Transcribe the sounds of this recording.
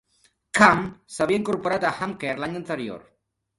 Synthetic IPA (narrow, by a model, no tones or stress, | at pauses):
kamsaβiaiŋkoɾpoɾat̪axamkeɾlaɲant̪eɾjo̰ɾ